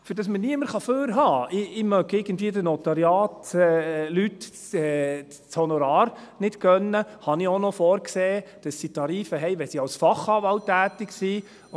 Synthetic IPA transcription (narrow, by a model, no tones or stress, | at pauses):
fyɾd̥ɑsməniəməɾχɑføːɾɦɑːʔɪɪmœɡɪɡ̥ən̩tviːədənɔt̪ɑɾjɑːtː | lyt | ɛ | t͡shɔnɔɾɑːɾnɪtkœnːəhɑnionɔfɔːɾkseːd̥ɑsːitɑɾiːfəɦɛɪʋɛsiɑwsfɑχɑːʋɑltːæːt̪ɪksi